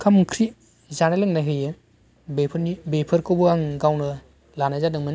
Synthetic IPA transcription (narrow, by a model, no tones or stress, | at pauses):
kʰamkʰɾi | zanalɯŋnajɦɯjɯ | bepʰnibepʰɯɾkʰowbɯaŋɡawnɯ | lanazadɯŋmɯn